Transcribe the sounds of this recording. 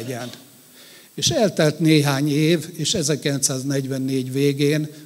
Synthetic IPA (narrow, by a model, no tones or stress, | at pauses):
ɛn | eːʃɛlt̪ɛlt̪neːɦaːɲeːveːʃɛzɛrkilɛnt̪saːznɛɟʋɛnːeːɟʋeːɡeːn